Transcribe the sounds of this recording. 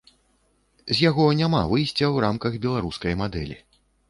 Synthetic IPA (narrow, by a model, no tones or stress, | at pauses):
zʲjaɣɔnʲama̰vɨjsʲt͡sʲɐwɾamkɐɣbʲɛlˠaɾuskɐjmad̪ɛ̰lʲḭ